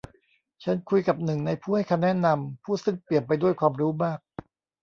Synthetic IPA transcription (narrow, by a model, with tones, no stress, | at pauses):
t͡ɕʰa˦˥nkʰu˧jka˨˩p̚nɯ˨˩ŋna˧jpʰuː˥˩ha˥˩jkʰa˧mnɛ˦˥na˧mpʰuː˥˩sɯ˥˩ŋpli˨˩ənp̬a˧jdu˥˩əjkʰwaː˧mɾuː˦˥maː˥˩k̚